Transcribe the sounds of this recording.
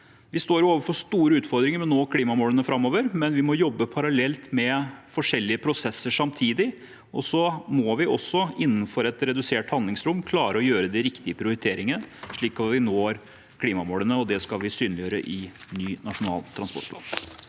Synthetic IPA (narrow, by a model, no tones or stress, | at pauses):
ʋɪst̪oːɾjʊoːʋəfɔʂt̪uːɾəʉːt̪fɔɾd̪ɾɪŋəɾmɛnoːkʰliːmɑmoːlənəfɾɑmːoːʋəɾmɛnʋɪmɔjɔbːəpʰɑɾɑlɛlt̪mɛfɔʂɛlːɪəpʰɾʊsɛsːəʂɑmt̪ʰiːd̪ɪ | ʔɔsɔmɔʋɪʔɔsːɔɪnːnfɔɾɛt̪ɾɛd̪ʉseːʈhɑnd̪lɪŋsɾʊmkʰlɑːɾəɔjøːɾəd̪ɛɾɪkt̪ɪəpʰɾɪʊɾɪt̪ʰeːɾɪŋənəʂɭiːkɑt̪ʋɪnoːɾ | kʰliːmɑmoːlənəɔd̪ɛskɑlʋɪsyːnlɪjøːɾə̰ʔɪnyːnɑʂʊnɑ̰ːlt̪ʰːɾɑnspɔ̰ʈpʰlɑ̰ːn